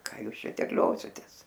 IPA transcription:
ˈkɑː ˈjuːs ˈʃʲɛ tʲɛrʲˈlʲoːsʲɪtʲeːs

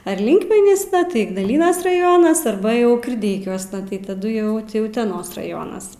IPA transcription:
ɐr ˈlʲɪŋkmʲɛnʲiːsnɐ ˈtɐɪ ɪɡnɐˈlʲiːnɐs rɐˈjoːnɐs ɐrˈbɐ jɛʊ kʲɪrʲˈdʲɛɪkʲuɔsnɐ tɐɪ tɐˈdʊ jɛʊ ˈtʲɪ ʊtʲɛˈnoːs rɐˈjoːnɐs

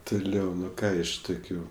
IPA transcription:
tʊˈlʲɛʊ ˈnʊ ˈkɑː ɪʃ ˈtʊkʲʊ

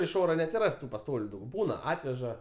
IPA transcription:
ɪʃ ˈoːrɐ nʲɛɐtʲsʲɪˈrɐs tʊ pɐˈstoːlʲʊ ˈdɐʊk ˈbuːnɐ ˈɑːtʲʋʲɛʒɐ

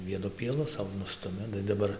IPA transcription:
ˈʋʲiɛnʊ pʲiɛˈlˠʊ ˈsɐʊ ˈnʊstʊmʲɪ tɐɪ dɐˈbɐr

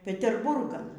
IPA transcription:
pʲɛtʲɛrˈbʊrɡɐn

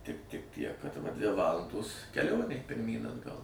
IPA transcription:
tʲɪk tʲɪk tʲiɛk kɐt ʋɐ dʲʋʲɪ ˈʋɑːlˠɐndoːs kʲɛˈlʲoːnʲeː pʲɪrʲˈmʲiːn ɐdˈɡɐlˠ

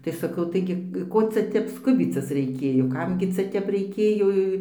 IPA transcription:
tɐɪ sɐˈkɐʊ ˈtɐɪɡʲɪ ˈkoː ˈt͡sʲɛ ˈtʲɛp ˈskʊbʲiːt͡sʲɪs rʲɛɪˈkʲeːjoː ˈkɐm ɡʲɪ ˈt͡sʲɛ ˈtʲɛp rʲɛɪˈkʲeːjoː

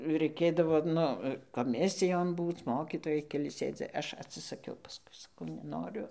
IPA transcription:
rɐɪˈkʲeːdɐʋoː ˈnʊ koːˈmʲɪsʲɪjoːn ˈbuːt͡s ˈmoːkʲiːtoːjɛɪ kʲɛˈlʲɪ ˈsʲeːdʲɪ ˈɐʃ ɐtʲsʲɪsɐˈkʲɛʊ pɐˈskʊɪ sɐˈkɐʊ nʲɛˈnoːrʲʊ

